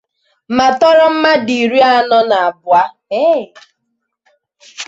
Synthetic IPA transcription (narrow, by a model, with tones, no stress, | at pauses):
ma˨tɔ˦ɾɔ˦m̩˦ma˦di˨ɾi˦a˦nɔ˦na˨a˨bʊ˨a˦ | e˦˨